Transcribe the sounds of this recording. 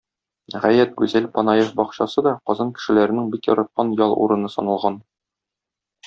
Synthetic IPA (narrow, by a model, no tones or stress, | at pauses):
ʁæjæt̪̚ɡʉzælpɒnɑjefbɒqɕɑsɤd̪ɒqɒzɑnkɘ̥̆ʃɘ̆læɾɘ̆nɘŋbikjɒ̰ɾɑt̪̚qɑnjɒlˠṵɾɤ̆nɤsɒ̰nɑ̆lˠʁɑn